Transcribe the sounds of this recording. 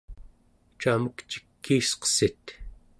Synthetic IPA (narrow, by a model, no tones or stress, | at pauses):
t͡ʃaməkt͡ʃi̥kːiːsqə̥sit̪